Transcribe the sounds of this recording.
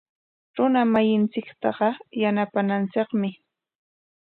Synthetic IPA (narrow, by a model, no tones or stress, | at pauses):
ɾʊnamajɪnt͡sɪkt̪ɑɢɑjanapanant͡sɪqmɪ